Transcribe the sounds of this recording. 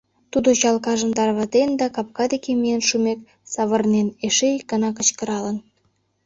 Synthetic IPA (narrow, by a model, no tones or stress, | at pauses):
t̪ud̪ot͡ɕɑlkɑʒə̆nt̪ɑrβɑt̪end̪ɑkɑp̚kɑd̪ekemijenʃumek | sɑβərneneʃejkənɑkə̆t͡ɕkə̆ɾɑlən